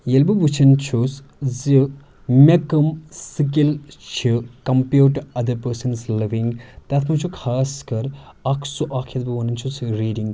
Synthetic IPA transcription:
jelbɨbut͡ʃʰɐnt͡ʃʰus | zi | mʲɐkɐmsik̬ilt͡ʃʰikɐmpjuːʈːuɐd̪ɐɾpəɾsɐnzliʋĩŋɡt̪ɐt̪ʰmɐt͡ʃʰukʰaːskɐɾ | ɐkʰsuʔakʰjɐt̪bɨʋɐnɐnt͡ʃʰusɾiːɖĩŋɡ

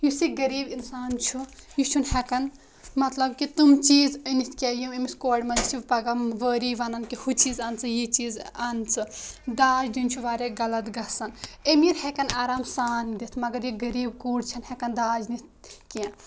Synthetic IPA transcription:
jusiɡɐɾiːbinsaːnt͡ʃʰujut͡ʃʰunhɛkɐn | mɐt̪lɐb̚kit̪umt͡ʃiːzənit̪ʰkʲɛjumemiskoːɖmɐnd͡ʒit̪ʰiʋpɐɡɐmʋəɾiʋɐnɐnkihut͡ʃiːzant͡sʰɨjit͡ʃiːzant͡sʰɨd̪aːd͡ʒd̪int͡ʃʰuʋaːɾeɡɐlɐt̪ɡɐsɐnemiɾhekɐnaːɾaːmsaːnd̪it̪ʰmɐɡɐɾjiɡɐɾiːb̚kuːɽt͡ʃʰɐnhɛkɐnd̪aːd͡ʒnit̪̚kã

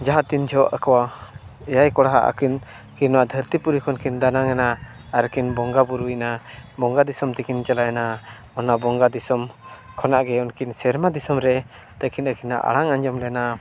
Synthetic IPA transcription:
d͡ʒaɦat̪ind͡ʒʱɔʔa̰kɔwaɛjajkɔɽaɦa̰ʔa̰kin | kinwad̪ʱəɾt̪ipuɾikʰɔnkʰind̪anaŋɛna | aɾkinbɔŋɡabuɾujnabɔŋɡad̪isɔmt̪ɛkint͡ʃalajɛna | ɔnabɔŋɡad̪isɔm | kʰɔnaʔɡɛɔnkinsɛɾmad̪isɔmɾɛ | t̪akinəkinːa̰ʔa̰ɽaŋaɲd͡ʒɔmlɛna

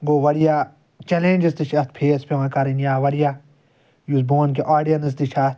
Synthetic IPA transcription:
ɡoːʋɐɽijaː | t͡ʃelẽːnʲd͡ʒɐst̪iʃʰɐt̪̚ʰpʰeːspeʋãkɐɾinjaːʋɐɽija | jusbõːnkeʔaːɖijɐnɨs̬t̪it͡ʃʰɐt̪

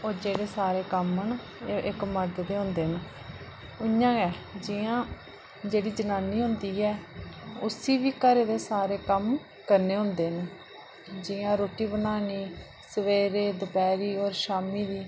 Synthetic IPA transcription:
od͡ʒeːɽeːsaːɾeːkəmən | ʔɪkməɾd̪d̪eːɦʊ̃nd̪eːɦn | ʊjãːɛːd͡ʒɪjãː | d͡ʒeːɽiːd͡ʒənaːnːiːɦʊ̃nd̪iːɛːʊsiːʋiːkəɾeːd̪eːsaːɾeːkəm | kəɾneːɦʊ̃nd̪eːɦn | d͡ʒɪjãːɾoːʈiːbənaːniː | səʋeːɾeːd̪ʊpɛːɾiːoːɾʃaːmiːd̪iː

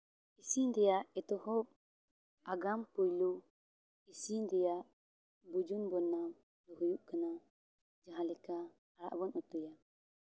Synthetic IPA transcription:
isind̪ɛjaʔɛt̪ɔhɔ | aɡampujlu | isind̪ɛjaʔ | bud͡ʒunbɔnam | lɔɦujuʔkana | d͡ʒaɦãlɛkaː | ɾa̰ʔbɔnut̪uja

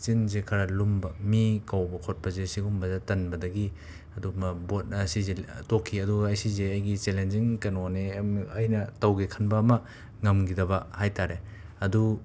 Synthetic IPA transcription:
t͡ʃinzekʰɐɾɐlumbɐmikawbɐkʰot̚pɐzesiɡumbɐzatɐnbɐdɐɡi | ɐdumɐbot̚ɐsizetokʰːiɐduɡɐɐjsizeɐjɡit͡ʃelenziŋkɐnoneɐjnɐtɐwɡekʰɐnbɐːmɐ | ŋɐmɡidɐbɐhajtaɾe | ɐdu

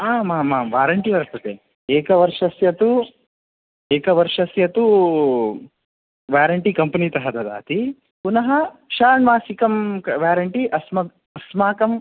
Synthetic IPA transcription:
aːmaːmaːʋaːɾɐɳʈiʋɐɾsɐt̪e | eːkɐʋɐɾʂɐsjɐt̪u | eːkɐʋɐɾʂɐsjɐt̪u | ʋjaːɾɐɳʈikɐmpɐnit̪ɐɦɐd̪ɐd̪a̰ːt̪i | punɐɦɐʃaːɳmaːsikɐmkɐʋjaːɾɐɳʈiʔɐsmɐ | ɐsmaːkɐm

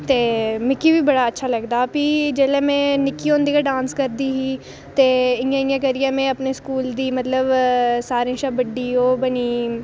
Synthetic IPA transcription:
t̪eːmɪkːiːʋiːbəɽaːətːʃʰaːləɡd̪aːpiːd͡ʒeːlẽːmɛ̃ːnɪkːiːõːnd̪iːkaɖãːnskəɾd̪iːɦiː | t̪eːɪãːɪ̃ãːk̬əɾiːãːmɛ̃ːəpneːskuːld̪iːmət̪ləbsaːɾẽːʃaːbəɖiːoːbəniː

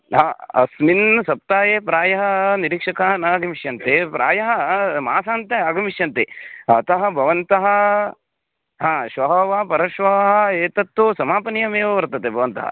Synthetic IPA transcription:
ɦãːɐ̰sminsɐp̚t̪aːjeːpɾaːjɐɦɐniɾiːkʂɐkaːɐnaːɡɐmiʃjɐnt̪epɾa̰ːjɐɦɐmaːsaːnt̪eaːɡɐmiʃjɐnt̪eɐt̪ɐɦɐ̆bʱɐʋɐnt̪ɐɦɐ̆ | ɦãːʃʋɐɦɐʋaːpɐɾɐʃʋɐʋɐɦɐeːt̪ɐt̪ːusɐmaːpɐnjɐmeːʋɐʋɐɾt̪ɐt̪ebʱɐʋɐnt̪ɐ̰ɦɐ̰

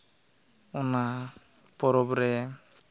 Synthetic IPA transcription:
ɔna | pɔɾɔbɾɛ

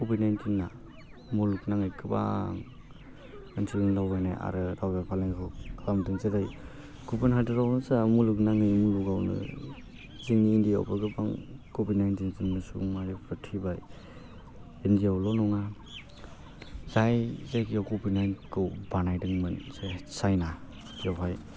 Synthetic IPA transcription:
kɔbidnajntʰiŋːa | muluknaŋɯjkʰɯba̰ŋ | ɯnsʰiɯŋlawbajna̰jʔa̰ɾɯɾawbapʰaleŋkʰɔlamdɯŋzedaj | ɡ̥upɯnɦadɯɾawnɯsamuluknaŋɯjmuluɡawnɯ̰ | ziniːndija̰wpaɡɯpaŋkobidnajntiŋziŋnɯsuŋmajɔpʰɯtʰibaj | endijawlɔnɔŋa | zajzajkijawkɔbinajnkʰɯwbanajdɯŋmɯnzesajna | kiawɦaj

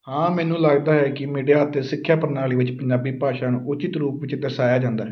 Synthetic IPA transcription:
hãːmɛ̃ːnũːləɡd̪aːɦɛːkɪmiːɖijaːt̪eːsɪkʰːjaːpəɾnaːliːʋɪt͡ʃpəɲd͡ʒaːbiːpaːʃaːnːʊt͡ʃɪt̪ɾuːpʋɪt͡ʃd̪əsaːjaːd͡ʒãːnd̪aːɦɛː

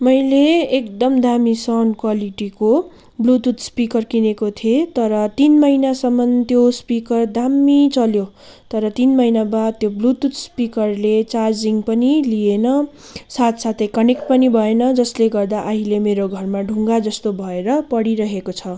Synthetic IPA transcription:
mʌjleekd̪ʌmd̪ʱamisʌnkwaliʈiko | blut̪ut̪spikʌrkinekot̪ʰiet̪ʌɾʌt̪inmʌjnasʌmːʌnt̪jospikʌrd̪amːit͡sʌljo | t̪ʌɾʌt̪inmʌjnabad̪̚t̪joblut̪ut̪spikʌrlet͡sard͡ziŋɡpʌnilienʌ | sat̪ʰsat̪ʰejkʌnek̚ʈ̚pʌnibʱʌenʌd͡zʌsleɡʌrd̪aʔaɦilemeɾoɡʱʌrmaɖʱuŋɡad͡zʌst̪obʱʌeɾʌpʌɽiɾʌɦekot͡sʰʌ

